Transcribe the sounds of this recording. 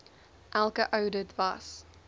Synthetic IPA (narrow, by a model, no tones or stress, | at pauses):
ʔalˠkəʔoʊdədvas